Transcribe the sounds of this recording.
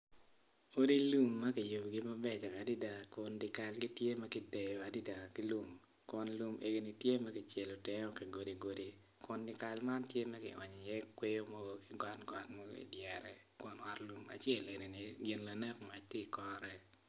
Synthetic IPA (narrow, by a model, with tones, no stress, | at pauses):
o˦di˦lu˦mːɐ˦ki˨ju˨bɡi˦mɐ˦bɛ˦˨d͡ʒɔ˨a˨di˦da˨kʊ˨ndɪ˨ka˨lɡi˦tje˦mɛ˦kɪ˨dɛ˨jɔ˨a˨di˦da˨ki˦lu˦m | kʊ˦nlu˦mʔe˦ɡi˦ni˨tje˦ma˦kɪ˨t͡ʃɛ˨lo˨tɪ˦ŋɔ˦ki˨ɡo˨di˨ɡo˨di˨ | kʊ˨ndɪ˨ka˨lma˦ntje˦mɛ˦kɪ˨ɔ˨ɲɔ˨jɛ˦kwe˦jo˦mɔ˦ɡo˦kɪ˨ɡɔ˦tɡɔ˨tmɔ˦ɡo̰˦ḭ˨djɛ˨ɾɛ˨ | kʊ˨nɔ˦tlu˨ma̰˨t͡ʃjɛ˦le˨ne˨ni˨ɡɪ˨nla˨nɛ˦kma˨t͡ʃti˦˨kɔ˦ɾɛ˨